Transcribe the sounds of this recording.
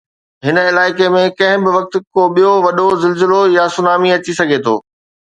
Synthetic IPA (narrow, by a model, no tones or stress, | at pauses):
ɦɪnəɪlaːɪkemẽkɐ̃ɦɪ̃bɪʋɐk̚t̪koɓijoʋɐɗozɪlzɪlojasʊnaːmiɐt͡ɕisɐɡʱet̪ʰo̰ː